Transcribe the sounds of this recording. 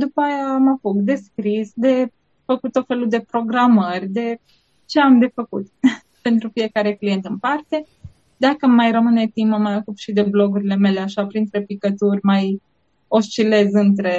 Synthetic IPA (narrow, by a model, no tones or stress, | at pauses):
d̪upajamafukd̪e̞skɾisd̪e̞ | fəkut̪ːot̪felud̪e̞pɾo̞ɡɾamərʲd̪e̞ | t͡ʃe̞amd̪e̞fəkut̪ | pe̞nt̪ɾufije̞kaɾe̞klije̞nt̪ɨmpart̪e̞ | d̪akəmajrəmɨne̞t̪iməmajakupʃid̪e̞blo̞ɡuɾile̞me̞le̞aʃapɾint̪ɾepikət̪urʲmaj | o̞st͡ʃile̞zɨnt̪ɾe̞